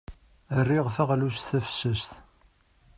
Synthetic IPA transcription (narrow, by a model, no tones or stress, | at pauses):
ərːiʁθæʁlusθæfsəsθ